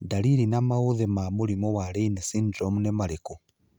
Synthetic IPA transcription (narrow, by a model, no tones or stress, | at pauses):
daɾiɾinamauðɛmamuɾimɔwaɾeinɛsindɾɔmunɛmaɾeku